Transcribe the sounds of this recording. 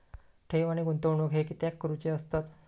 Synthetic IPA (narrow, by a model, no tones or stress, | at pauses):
ʈʰeʋaɽ̃iɡunt̪oʋɳokɦekiːt̪jakːɾut͡ɕeəst̪at̪